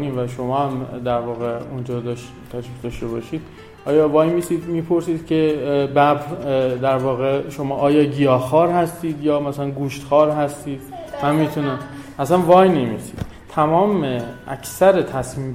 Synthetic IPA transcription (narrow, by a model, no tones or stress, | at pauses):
niːvæʃomɒːhæmd̪æɾvɒːɣeund͡ʒɒːd̪ʃ | t̪ʰæʃmixd̪ɒʃt̪e̞βɒːʃiːd̪̥ | ʔɒːjɒːvɒːjmisiːd̪miːpʰo̞ɾsiːd̪̥cʰe̞bæbd̪æɾvɒːɣeʃo̞mɒːʔɒːjɒːɟijɒːxɒːɾhæst̪iːd̪jɒːmæsælænɡuːʃt̪xɒːɾɦæst̪iːd̪̥næmit̪ʰune | ʔæsænvɒːjnemiːsḭːd̪̥ | t̪ʰæmɒːmeʔæ̰kʰsæɾet̪ʰæsmiːm